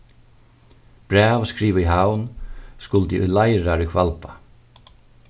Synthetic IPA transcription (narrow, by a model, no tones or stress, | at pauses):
b̥ɾɛːvskɾiːʋəiɦawnskʊlt̪ɪʔṵjlajɾaɾɪkʰvalpa